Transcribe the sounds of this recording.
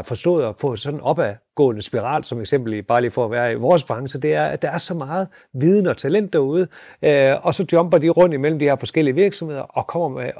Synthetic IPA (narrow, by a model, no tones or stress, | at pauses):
fɒ̽sd̥ɔ̰ːð̞̩ˠɒfɔ̰̽sɒ̽d̥n̩ɒ̽b̥æɡ̥ɔ̰̽ːnəsb̥iʁɑ̰̈ːlsɒ̽meɡ̥sem̰b̥l̩ib̥ɑ̈ːliːfɒ̰ːʋæːɐiʋɒːs̬b̥ʁɑ̈ŋəsəd̥e̝æɐæd̥ɑ̈æɐsɒ̽mɑ̈ːð̞̩ˠ | ʋið̞ˠn̩əɒ̽t͡sʰælen̰d̥æɐuð̞ˠə | ɒ̽sɒ̽d̥jɒ̽mb̥ɐd̥iʁɔ̽n̰d̥imel̰m̩d̥ihe̝ɐ̰fɒ̽sɡ̥el̰iəʋiɐɡ̥sɒ̽mhe̝ð̰ˠɐʔɒ̽kʰɒ̽m̰ɐme